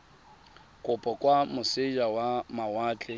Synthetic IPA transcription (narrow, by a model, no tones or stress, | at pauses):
kʼʊpʼɔkʼwamʊsɪd͡ʒawamawaːt͡ɬʼɛ